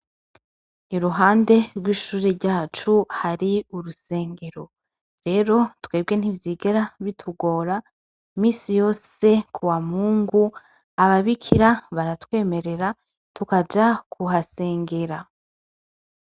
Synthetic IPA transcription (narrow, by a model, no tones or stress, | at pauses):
niɾuɦaːnde̞ɾɡwiːʃuːɾeɾɟaːt͡ʃuhaɾiuɾuse̞ːŋɡe̞ɾo̞ | ɾe̞ːɾo̞tweːb̚ɡe̞n̥ivjiːɡeɾaβitʰuɡo̞ːɾa | imiːsijo̞ːse̞kʰuwamuːŋɡu | aβaβikʰiɾaβaɾatwe̞ːme̞ɾe̞ɾa | tukad͡ʒakʰuɦase̞ːŋɡe̞ɾa